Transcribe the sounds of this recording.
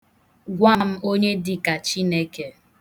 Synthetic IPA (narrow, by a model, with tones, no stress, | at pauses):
ɡʷa˦m̩˦o˦ɲe˦dɪ˦ka˨t͡ʃi˦ne˦ke˨